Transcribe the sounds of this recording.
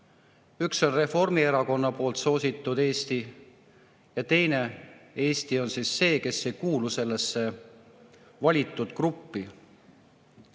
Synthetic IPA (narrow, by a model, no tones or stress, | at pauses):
ykso̞nre̞fo̞rmie̞ɾɑko̞nːɑpo̞ːlt̪so̞ːsit̪ːˑud̪̥e̞ːst̪i | jɑt̪e̞jne̞e̞ːst̪io̞nsisːe̞ːke̞sːe̞jkuːluse̞lːe̞sːe̞ | vɑlʲit̪ːˑud̪̥krupːi